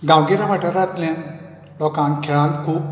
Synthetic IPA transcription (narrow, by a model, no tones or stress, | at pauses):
ɡãwɡiɾaʋəʈəɾat̪lẽn | lɔkãnkʰeɭãnt̪kʰuːp̚